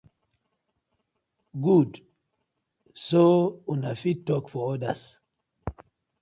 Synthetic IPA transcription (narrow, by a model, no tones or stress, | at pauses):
ɡud | sounafitɔkfɔɔda̰s